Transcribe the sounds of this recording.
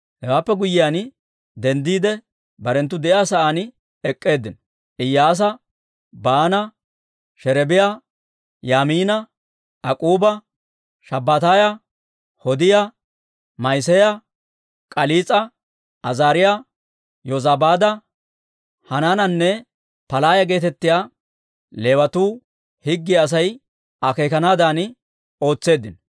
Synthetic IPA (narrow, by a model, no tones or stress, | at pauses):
hɛwaːpːɛɡʊjɪjan | d̪ɛnd̪iːd̪ɛ | bɐɾɛnt̪ːʊd̪ɛʔɪaːsɐʔan | ɛkʼːe̞ːd̪ːɪnɔ | ʔɪjːaːs̬ɐ | baːnɐ | ʃɛɾɛbɪja | jaːmiːnɐ | ʔɐkʼuːbɐ | ʃɐbːɐt̪aːjɐ | hɔd̪ɪja | mɐjsɛjɐ | kʼɐliːt͡sʼɐ | ɐzaːɾɪja | jɔzabaːd̪ɐ | hɐnanɐnːɛ | pɐlaːjɐɡe̞ːt̪ɛt̪ːɪjaː | leːwɐt̪uː | hɪɡːɪɐs̬ɐj | ɐke̞ːkɐnaːd̪aːnɪ | o̞ːt͡sːe̞ːd̪ːɪn